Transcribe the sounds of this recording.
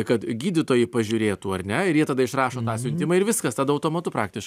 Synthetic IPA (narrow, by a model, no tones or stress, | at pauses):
kɐt̪ɡʲiːdʲɪt̪oːjɪpɐʒʲʊɾʲeːt̪uːɐrʲnʲɛɪjiɛt̪ɐd̪ɐɪʃɾɑːʃoːt̪ɑːsʲʊnʲt̪ʲɪmɐːɪɾʋʲɪskɐst̪ɑːd̪ɐʊt̪oːmɐt̪ʊpɾɑ̰ːk̚t̪ʲɪʃk